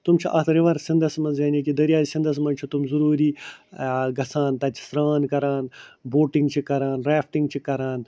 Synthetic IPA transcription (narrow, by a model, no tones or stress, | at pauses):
t̪umt͡ʃʰiʔɐt̪ʰɾiʋɐɾsind̪ɐsmɐnzjɐnikid̪ɐɾjaːisind̪ɐs̬mɐnt͡ʃʰut̪umzuɾuːɾiː | ɡɐsaːnt̪ɐt͡ʃʰi̥sɾaːnkɐɾaːnboːʈĩŋɡt͡ʃʰikɐɾaːnɾaːfʈĩŋɡt͡ʃʰikɐɾaːn